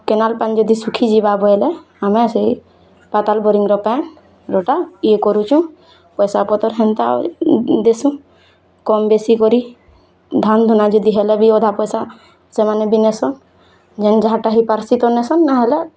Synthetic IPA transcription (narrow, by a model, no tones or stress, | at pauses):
kɛnalpand͡ʒɔd̪isukʰid͡ʒibabɔjlɛ | amɛsei | pat̪albɔɾiŋɡɾɔpan | ɾɔʈaiekɔɾut͡ʃũ | pɔjsapɔt̪ɔɾɦɛnt̪a̰ | d̪esũ | kɔmbesikɔɾi | d̪ʱand̪ʱɔnad͡ʒɔd̪iɦɛlɛbiɔd̪ʱapɔjsa | sɛmanɛbinesɔn | d͡ʒɛnd͡ʒaʈaɦipaɾsit̪ɔnɛsɔnːaɦɛlɛ